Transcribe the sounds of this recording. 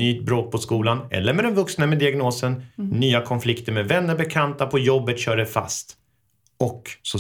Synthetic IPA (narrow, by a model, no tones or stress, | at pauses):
yːt̪̚bɾoːt̪̚pʰɔskuːlanɛ̰lːəɾmɛd̪ɛnvɵksnamɛd̪ɪaɡnoːsənːyːakʰɔnflɪkt̪əɾmɛvɛnːəɾbɛkʰant̪apʰɔjɔbːət̪ɕœːɖɛfa̰st̪ | ɔkːsɔ